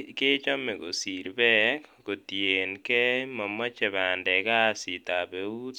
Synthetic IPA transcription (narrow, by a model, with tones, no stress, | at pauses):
kɪ˦t͡ʃɔ˦mɛ˨ɡo̰˨si˨ɾbɛ˦kɡ̥o˨tje˨nkɛ˦ma˨ma˦t͡ʃɛ˨ba˨ndɛ˨ɡa˦˨si˨t̪a˨be˨u˦t